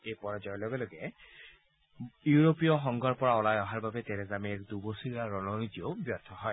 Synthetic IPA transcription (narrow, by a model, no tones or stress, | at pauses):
ejpɔɹɔd͡ʒɔjɔlɔɡɛloɡɛ | uuɹopiɔxɔŋɡɔɹpɔɹaɔlajɔɦaɹbabɛtɛnɛzameɹd̪ubosiɹiaɹɔnɔnitiobjɔt̪ʰːɔɦɔj